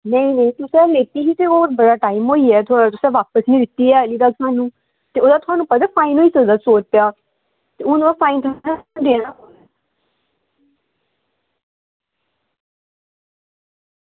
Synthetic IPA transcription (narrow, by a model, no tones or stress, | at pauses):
nəĩːnəĩːt̪ʊsɛ̃ːleːt̪iːɦiːt̪eːɔːɾbəɽaːʈaːimɦoːiːɛːt̪ʊaːat̪ʊsɛ̃ːʋaːpəsnĩːd̪ɪt̪ːiːɛːəliːd̪aːt̪ʰʊaːnũː | t̪eːoːd̪aːt̪ʊaːnũːpət̪ɛːpʰaːinɦoːiːsəd̪aːsoːt͡ʃpejaː | t̪eːʊd̪uaːpʰaːint̪ʰʊnãd̪eːɽãːko